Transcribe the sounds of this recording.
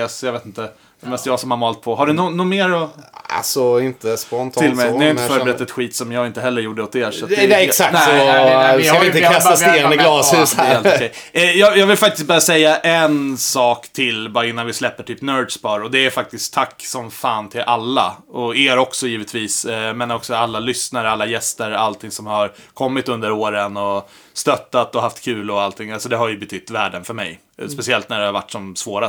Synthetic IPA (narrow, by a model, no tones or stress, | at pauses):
ɛsjɑveːt̪ɪnt̪ə | ɛmɛst̪jɑːɡsɔmhaɾmɑːlt̪̚pʰɔɦaɖɵnʊnʊmeːɾɔa̰sɔɪnt̪əspɔnt̪ʰːɪlmɛjnɛhaɾɪnəfːɾbɛɾɛt̪ːaɛt̪ɧiːt̪sɔmjɑːɡɪnt̪əɦɛlːəɾjuːɖəɔt̪eːsɔt̪ɛɛsak̚nɛsɔ | avɪt̪əkʰasaseːnəɡlɑːsʉseːlɔkɛjɛjɑːjɑːɡvɪlfak̚t̪ɪst̪̚bɑːɾasɛjːaʔɛnsɑːkt̪ʰɪlbɑːɾaɪnːanvɪslɛpːəʈʰyːpnœdspɑːɾɔd̪ɛæɾfak̚t̪ɪst̪ʰːakːsɔmfaːnt̪ʰɪlʔalːa̰ɔeːɾɔksɔjiːvət̪viːsmeːnaɾɔksɔalːalʏsnaɾəalːajɛst̪əɾalt̪ʰɪŋsɔmhaɾ | kʰɔmːɪt̪ɵnd̪əɾoːɾənɔ | st̪œt̪ːat̪ɔɦaft̪kʰʉ̟ːlɔalt̪ʰɪŋːalsɔd̪ɛɦaɾjɵbɛt̪ʰʏt̪ːvæːɖənfœɾmɛ̰j | spɛsɪɛlt̪næɖɛhaɾva̰ʈːɔmsvoːɾa